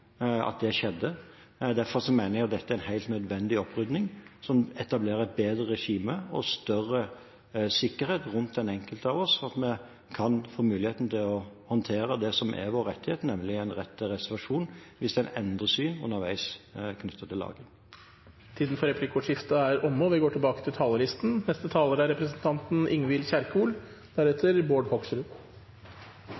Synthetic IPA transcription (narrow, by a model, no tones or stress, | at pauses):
ɑ̰t̪̚d̪ɛʂɛd̪ːə | d̪æɾfɔɾsɔmæɪnəɾæt̪̚d̪ɛt̪ːəæɾæɛnhæɪlt̪nœd̪ʋɛnd̪ɪɔpɾʏd̪nɪŋsɔmɛt̪ɑbleːɾəbeːd̪ɾəɾɛʂiːməɔst̪œrə | sɪkːəɾheːt̪ɾʉnt̪̚d̪ɛnɛŋkəlt̪əɑʋɔsɑt̪mɛ | kʰɑnfoːmʉːlɪheːt̪n̩t̪ʰɪlɔhɔnt̪ʰeːɾəd̪ɛsɔmʔɛ̰ɾʋoːɾɛt̪ːɪheːt̪nɛmlɪæɪnɾɛt̪ʰːəɾɛsəɾʋɑʂuːnʋɪsd̪ɛnɛnd̪ʁəsyːnʉ̰nːəɾʋæ̰ɪskʰnʏt̪ʰːət̪ʰɪlːɑ̰ːɡən | t̪ʰiːd̪n̩fɔɾɛpʰlɪkʊʂɪft̪əæɾɔmːoʋɪɡoːʈʰɪlbɑːkət̪ʰɪlt̪ʰɑːləlɪst̪n̩nɛst̪ət̪ʰɑːləɾæɾɛpɾəsnt̪ʰɑnt̪n̩ɪŋʋɪlçæɾkuːl | d̪̥æɾɛt̪ʰːəɾboːɖhɔɡsɾʉː